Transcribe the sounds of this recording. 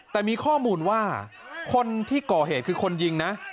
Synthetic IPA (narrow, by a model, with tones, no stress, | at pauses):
t̪ɛː˨˩miː˧kʰɔː˥˩muː˧nwaː˥˩ | kʰo˧nt̪ʰiː˥˩kɔː˨˩ɦeː˨˩t̪̚kʰɯː˧kʰo˧nji˧ŋna˦˥ʔ